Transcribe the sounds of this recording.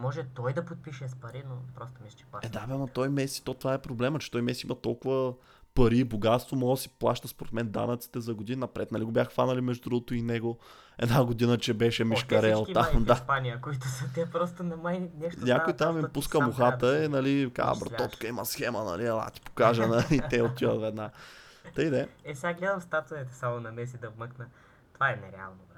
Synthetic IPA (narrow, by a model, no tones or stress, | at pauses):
mɔʒɛt̪ɔjd̪ɐpot̪̚piʃɛspɐɾinopɾɔst̪ʊmisɛt͡ʃɛaɛd̪aɛmɐt̪ɔjmɛsi̥t̪ɔt̪ovaɛpɾoblɛmət͡ʃɛ̥t̪ɔjmɛsiḭmɐt̪ɔlˠkʊvɐ | pɐɾiːboɡat̪st̪vomɔəsi̥plˠaʃt̪ɐspoɾɛt̪mɛnd̪a̰nɐt̪si̥t̪ɛzɐɡod̪ininɐpɾɛt̪nɐliɡobʲjaxxfanɐlimɛʒd̪ud̪ɾuɡʊt̪ʊinɛɡo | ɛd̪naɡod̪inət͡ʃɛbɛʃɛmiʃkɐɾɛlˠt̪amd̪apanijəkoit̪ʊsət̪ɛpɾɔst̪ʊnɐmajnɛʃt̪ɲʲakoit̪amipuskəmʊxat̪əinɐlika̰bɾoɔt̪kəimɐsxɛmənɐ̰liɐlˠa̰t̪i̥po̥kaʒɐnɐit̪ɛot̪ːivə̰t̪vɛd̪na | t̪əjd̪ɛɛsɛɡaɡlɛd̪əmfst̪at̪ovɛt̪ɛ̥samʊnɐmɛs̬id̪ɐvməknə | t̪ovaɛnɛɾɛa̰lˠno